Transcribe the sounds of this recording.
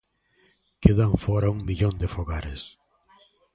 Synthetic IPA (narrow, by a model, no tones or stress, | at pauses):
keðaɱfɔɾauŋmiʎond̪efoɣaɾes